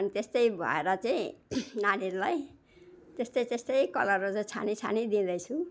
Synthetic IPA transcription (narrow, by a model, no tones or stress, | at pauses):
ʌnit̪est̪ʌjbʱʌ̰eɾʌt͡saĩnaniɾlaj | t̪est̪ʌjt̪est̪ʌjkʌlʌɾot͡sʌt͡sʰa̰nit͡sʰa̰nid̪ĩd̪ʌjt͡sʰu